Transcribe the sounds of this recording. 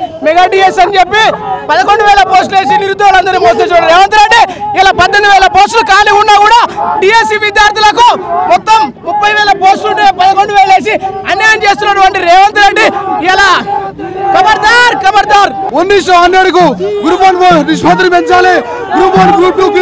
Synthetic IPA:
mɛɡaːɖiːjesɐnit͡ʃepːipɐðɐkoɳɖuʋɛːɭɐpo̞ːsʈle̞ːs̬iniɾud̪ːɐːlɐnd̪ɐɾimoːset͡ʃɐːɽɾɛːʋɐnt̪ɐɾɐɳɖiɛlaːpɐd̪ːond̪uʋɛːlɐpoːsʈlukaːliunːaːkuːɽaːɖiesiʋid̪jaːɾt̪ilɐk̬umɔt̪ːɐmːupːɐjʋɛːlɐpoːsʈluɳʈipɐðɐko̞ɳɖuʋɛːlɐeːs̬iɐnjɐːjɐmt͡ʃeːst̪unːɐʈʋɐɳʈiɾɛːʋɐnt̪ɐɾɐɳɖiɛlaː | kɐmɐɾd̪aːɾkɐmɐɾd̪aːɾonːisoɐnːeɽikuɡuɾupɐːnniʂpɐt̪ɾipɛnt͡ʃaːleː | ɡuɾupaːnɡɾuːpu

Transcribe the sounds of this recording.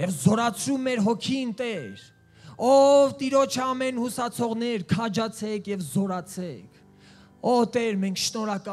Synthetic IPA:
jɛvzɔɾɑt͡sʰɾumːɛɾɦɔkʰint̪ɛɾ | ɔvt̪iɾɔt͡ʃʰəɑmɛnhusɑt͡sʰɔʁnɛɾkʰɑd͡ʒɑt͡sʰɛkʰjɛvzɔɾɑt͡sʰɛkʰ | ɔt̪ɛɾmɛŋkʰʃnɔɾɑkɑ

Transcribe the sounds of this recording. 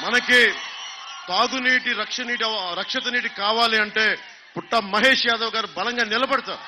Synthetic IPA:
mɐnɐki | t̪aːɡuniːʈiɾɐkʂɐniːʈiɐɾɐkʂɐt̪ɐniːʈikaːʋaːliɐɳʈe̞ː | puʈːɐmɐɦeːʂjaːd̪ɐʋɐɡaːɾubɐlɐŋɡaːnilɐbɐɽɐt̪aːɾu

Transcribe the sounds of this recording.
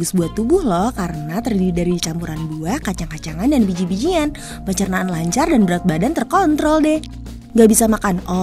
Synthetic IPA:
ʊsbuat̪ːubʊhlɔhkaɾənat̪ərdididaɾidit͡ʃampuɾanbuahkat͡ʃaŋkat͡ʃaŋandanbid͡ʒibid͡ʒian | pəɲt͡ʃərnaːnlaɲt͡ʃardanbəɾat̪̚badant̪ərkɔnt̪ɾɔldɛh | ŋɡaʔbisamakanɔ

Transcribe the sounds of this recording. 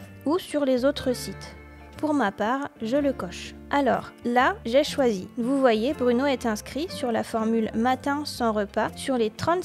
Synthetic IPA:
usyʁlezot̪χəsit̪ | puʁmapaʁʒələkɔʃ | ʔalɔ̰ːʁlaʒɛʃwazivuvwajebʁynoɛt̪ɛ̃skχisyʁlafɔʁmylmat̪ɛ̃sɑ̃ʁəpasyʁlet̪χɑ̃t̪

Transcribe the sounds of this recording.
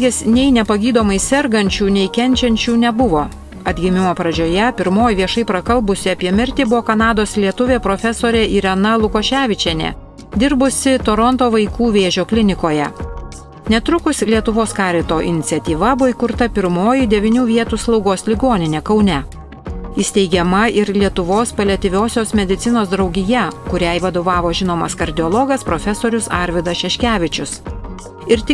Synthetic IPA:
ɡʲesnʲɛɪnʲɛpɐɡʲiːd̪oːmɐɪsʲɛɾɡɐnʲt͡ʃʲuːnʲɛɪkʲɛnʲt͡ʃʲɛnʲt͡ʃʲuːnʲɛbʊʋoː | ɐd̪ʲɡʲɪmʲɪmoːpɾɐd͡ʒʲoːjɛpʲɪɾmoːjʋʲiɛʃɐɪpɾɐkɐlˠbʊsʲɪɐpʲiɛmʲɪɾʲt̪ʲeːbʊʋoːkɐnɑːd̪oːslʲiɛt̪ʊʋʲeːpɾoːfʲɛsoːɾʲeːʔiɾʲɛnɐlˠʊkoːʃʲæːʋʲɪt͡ʃʲɛnʲḛː | d̪ʲɪɾbʊsʲɪt̪oɾɔnt̪oːʋɐɪkuːʋʲeːʒʲoːklʲɪnʲɪkoːjɛ | nʲɛt̪ɾʊkʊsʲlʲiɛt̪ʊʋoːskɑːɾʲɪt̪oːʔɪ̰nʲɪt̪sʲɛt̪ʲiːʋɐbʊʋoiːkʊɾt̪ɐpʲɪɾmoːjɪd̪ʲɛʋʲɪnʲuːʋʲiɛt̪uːslˠɒʊɡoːslʲɪɡoːnʲɪnʲeːkɒʊnʲɛ | ɪsʲt̪ʲɛɪɡʲɛmɐʔɪɾlʲiɛt̪ʊʋoːspɐlʲɛt̪ʲɪʋʲoːsʲoːsmʲɛd̪ʲɪt̪sʲɪnoːsd̪ɾɒʊɡʲɪjɛkʊɾʲæɪʋɐd̪oːʋɑːʋoːʒʲɪnoːmɐskɐɾʲd̪ʲɪɔlˠɔɡɐspɾoːfʲɛsoːɾʲʊsɑːɾʲʋʲɪd̪ɐsʃʲɛʃʲkʲæːʋʲɪt͡ʃʲʊs | ɪɾt̪ʲɪ

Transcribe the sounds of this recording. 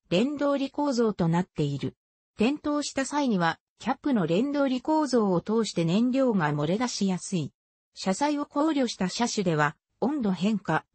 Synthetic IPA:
ɾẽ̞nd̪o̞ːɾʲiko̞ːzo̞ːt̪o̞nat̪ːe̞iɾɯ̟ | t̪ẽ̞nt̪o̞ːɕi̥t̪asaiɲ̟iβa | kʲapːɯ̟no̞ɾẽ̞nd̪o̞ːɾʲiko̞ːzo̞ːt̪o̞ːɕi̥t̪e̞nẽ̞ɲɾʲo̞ːŋamo̞ɾe̞d̪aɕijasɨi | ɕasaio̞ko̞ːɾʲo̞ɕi̥t̪aɕaɕɨd̪e̞β̞a | õ̞nd̪o̞ɦẽ̞ŋka

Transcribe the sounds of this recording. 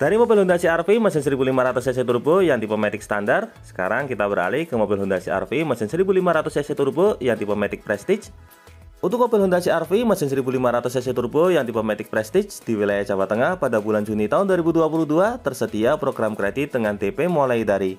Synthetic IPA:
d̥aɾimobɪlhɔndasiarfimasəns̬əɾibulimaɾat̪ʊsɛs̬et̪urbojaŋd̪ipɔmɛt̪ɪk̚sə̥t̪andart̪̚sə̥ka̰ɾaŋkit̪abəɾa̰lɪhkəmobɪlɦɔndasia̰rfimasənsəɾibulimaɾat̪ʊsɛset̪urbojaŋd̪ipəmɛt̪ɪk̚pɾɛst̪ɪt͡ʃ | unt̪ʊk̚mobilhɔndasiarfimasəns̬əɾibulimaɾat̪ʊsɛset̪urbojaŋd̪ipomɛt̪ɪk̚pɾɛst̪ɪt͡ʃd̥iwilajaht͡ʃawat̪ːəŋahpadabuland͡ʒunit̪aʊnduaɾibuduapuluhduat̪ərsət̪iapɾoɡɾamkɾedit̪̚dəŋand̪epemolajdaɾi

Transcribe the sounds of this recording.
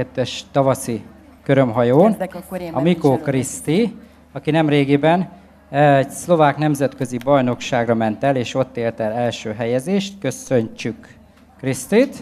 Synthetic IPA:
ɛt̪ːɛʃt̪ɒvɒsi | køɾømɦɒjoːnɒmikoːkrist̪i | ɒkinɛmreːɡeːbɛn | ɛɟslo̞vaːknɛmzɛt̪kø̞zibɒjno̞kʃaːɡrɒmɛnt̪ɛleːʃo̞t̪ːeːlt̪ɛlɛlʃøːɦɛjɛzeːʃt̪kø̞sø̞ɲt͡ʃykː | rist̪iːt̪

